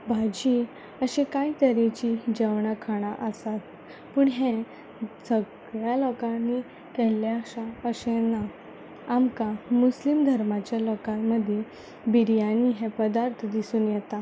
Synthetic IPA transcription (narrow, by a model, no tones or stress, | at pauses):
bʱad͡ʑi | əɕekait̪əɾet͡ɕid͡ʑəʋɳakʰaɽ̃aʔəsat̪ | puːɳɦẽ | səɡ | ɭjalɔkãnːi | kɛljaɕaəɕena | amkamuslimd̪ʱəɾmat͡ɕjalɔkãmːəd̪ʱje | biɾjaniːɦẽpəd̪aɾt̪ʰd̪isuːnjɛt̪a